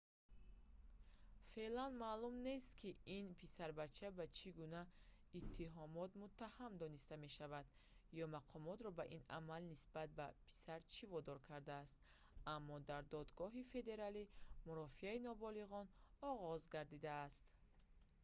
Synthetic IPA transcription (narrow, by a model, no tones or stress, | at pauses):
fe̞lanmaːlumne̞st̪kʰiinpʰisaɾbat͡ʃʰːabat͡ʃʰiɡuna | it̪ʰːiɦɔmɔt̪mut̪ʰːahamd̪ɔnist̪ame̞ʃavad̪ | jɔmaqʰɔmɔt̪ɾɔbaʔina̰malnisbat̪̚bapʰi̥saɾt͡ʃʰivɔd̪ɔɾkʰaɾd̪aːst̪ | amːɔd̪aɾd̪ɔd̪ɡɔɦife̞d̪e̞ɾalimuɾɔfiainɔbɔliʁɔnɔʁɔzɡaɾd̪id̪aːst̪